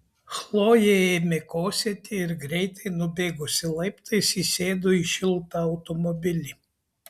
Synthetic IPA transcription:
xlˠoːjeeːmʲekoːsʲɛt̪ʲɪɪɾɡɾʲɛɪt̪ɐɪnʊbʲeːɡʊsʲɪlˠɐɪpt̪ɐɪsisʲeːd̪oːiʃʲɪlˠt̪ɑɐʊt̪ɔmɔbʲɪlʲi

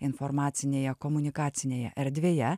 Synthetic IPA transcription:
ɪnfɔɾmɑːt̪sʲɪnʲeːjɛkɔmʊnʲɪkɑːt̪sʲɪnʲeːjɛ̰ʔɛɾʲd̪ʲʋʲeːjɛ

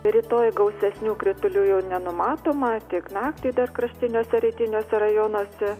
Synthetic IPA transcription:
ɾʲiːt̪oːjɡɒʊsʲɛsʲnʲuːkɾʲɪt̪ʊlʲuːjɛʊnʲɛnʊmɑːt̪oːmɐt̪ʲɪknɑːkt̪ʲiːd̪ɐrkɾɐʃʲt̪ʲɪnʲoːsʲɛɾʲɛɪt̪ʲɪnʲoːsʲɛɾɐjoːnoːsʲɛ

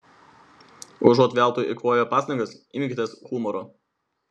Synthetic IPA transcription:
ʊʒɔt̪ʲʋʲæˑlˠt̪uːʔɪkoːjoːpɑːsɐŋɡɐsimʲɡʲɪt̪ʲɛsxumɔɾo

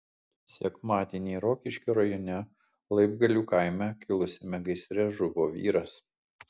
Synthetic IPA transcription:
sʲɛkmɑːd̪ʲeːnʲeːɾoːkʲɪʃʲkʲɛɾɐjoːnʲɛ | lˠɐɪb̚ɡɐlʲuːkaɪmʲɛkʲɪlˠʊsʲɪmʲɛɡɐɪsʲɾʲɛʒʊʋoːʋʲḭːɾɐs

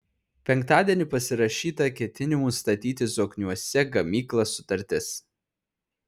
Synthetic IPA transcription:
pʲɛŋˑkt̪ɑːd̪ʲiɛnʲɪpɐsʲɪɾɐʃʲiːt̪ɐkʲɛt̪ʲɪnʲɪmuːst̪ɐt̪ʲiːt̪ʲɪsoːknʲuɔsʲɛɡɐmʲiːklˠɐsʊt̪ɐɾʲt̪ʲɪs

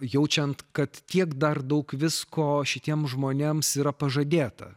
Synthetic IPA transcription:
jɛʊt͡ʃʲɛnt̪kɐt̪tʲiɛkd̪ɐrd̪ɐʊkʋʲɪskoːʃʲɪt̪ʲiɛmʒmoːnʲeːmsiːɾɐpɐʒɐd̪ʲeːt̪ɐ̰

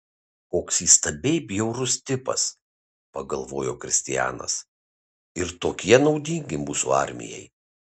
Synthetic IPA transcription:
koːksiːst̪ɐbʲɛɪbʲjɛʊɾʊst̪ʲɪpɐ̰s | pɐɡɐlˠʋoːjoːkɾʲɪsʲt̪ʲɪjæ̰ːnɐ̰s | ɪɾt̪oːkʲiɛnɒʊd̪ʲiŋʲɡʲɪmuːsṵɑ̰ɾʲmʲɪ̰jɛ̰ɪ

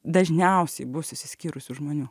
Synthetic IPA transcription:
d̪ɐʒʲnʲɛʊsʲɛɪbʊsʊsʲɪsʲkʲiːɾʊsʲʊʒmoːnʲuː

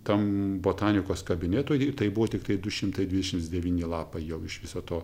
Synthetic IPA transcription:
t̪ɐmboːt̪ɑːnʲɪkoːskɐbʲɪnʲeːt̪oːjɪt̪ɐɪbʊʋoːt̪ʲɪkt̪ɐɪd̪ʊʃʲɪmt̪ɐɪdʲʋʲɪdʲɛʃʲɪmt̪sʲd̪ʲɛʋʲiːnʲɪlˠɑːpɐɪjɛʊɪʃʋʲɪsoːt̪oː

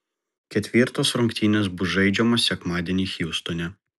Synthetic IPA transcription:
kʲɛt̪ʲʋʲɪɾt̪oːsɾʊŋʲkt̪ʲiːnʲɛsbʊsʒɐɪd͡ʒʲɛmɔsʲɛkmɑːd̪ʲɛnʲiːxʲiʊst̪onʲɛ

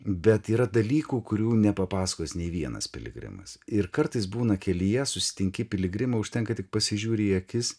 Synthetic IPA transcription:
bʲɛt̪iːɾɐd̪ɐlʲiːkuːkʊɾʲuːnʲɛpɐpɑːsɐ̥koːsnʲɛɪʋʲiɛnɐ̰spʲɪ̰lʲɪ̰ɡɾʲɪ̰mɐ̰sɪɾkɐɾt̪ɐɪsbuːnɐkʲɛlʲɪjɛsʊsʲɪ̥t̪ʲɪŋʲkʲɪpʲɪlʲɪɡɾʲɪmɐʊʃʲt̪ʲɛŋkɐt̪ʲɪk̚pɐsʲɪʒʲuːɾʲeiɐkʲɪs

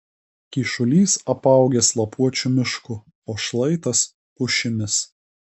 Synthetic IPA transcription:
kʲiːʃʊlʲiːsɐpɑˑʊɡʲɛslˠɐpuɔt͡ʃʲumʲɪʃkʊ | oːʃlˠɐɪt̪ɐs | pʊʃʲɪmʲɪs

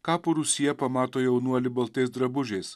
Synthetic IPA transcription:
kɑːpoːɾʊsʲɪjɛpɐmɑːt̪oːjɛʊnuɔlʲɪbɐlˠt̪eɪsd̪ɾɐbʊʒʲeːs

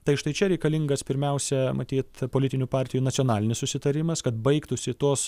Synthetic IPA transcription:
t̪ɐɪʃt̪ɐɪt͡ʃʲɛɾʲɛɪkɐlʲɪŋɡɐspʲɪɾʲmʲɛʊsʲɛmɐt̪ʲiːt̪poːlʲɪt̪ʲɪnʲupɑːɾʲt̪ʲɪjuːnɐt̪sʲioɔnɑːlʲɪnʲɪssʊsʲɪt̪ɐɾʲɪmɐskɐt̪̚bɐɪkt̪ʊsʲɪt̪oːs

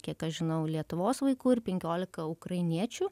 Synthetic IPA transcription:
kʲiɛkɐʃʒʲɪnɐʊlʲiɛt̪ʊʋoːsʋɐɪkuːɪɾpʲɛŋʲkʲoːlʲɪkɐʊkɾɐɪnʲiɛt͡ʃʲʊ

